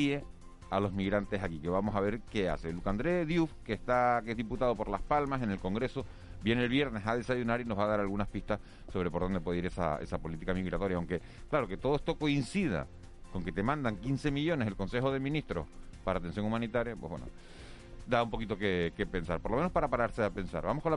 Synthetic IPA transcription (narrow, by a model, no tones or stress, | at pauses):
e | alo̞zmiɣɾant̪e̞sakike̞βamosaβe̞ɾke̞a̰se̞lukand̪ɾeðjufkeht̪akeezðiput̪að̞o̞po̞ɾlaspalmase̞ne̞lko̞ŋɡɾe̞so | bje̞neːlβje̞ɾne̞saðe̞saʝunaɾino̞ɦβaðaɾalɣunahpiht̪as | so̞βɾe̞poɾðo̞nd̪ewe̞ðeiɾesa̰esapo̞lit̪ikamiɣɾat̪o̞ɾjaawŋke̞ | klaɾo̞ke̞t̪oðoest̪o̞ko̞insið̞a̰ | ko̞ŋke̞t̪e̞mãnd̪aŋkinse̞miʝo̞ne̞se̞lko̞nse̞xo̞ð̞e̞mĩniht̪ɾo̞̰h | paɾaːt̪e̞nsjo̞ŋumãnit̪aɾjapwehβwḛno̰ | d̪aumpo̞kit̪o̞keke̞pe̞nsa̰ɾpoɾlome̞nohpaɾapaɾaɾseape̞nsa̰ɾβamokon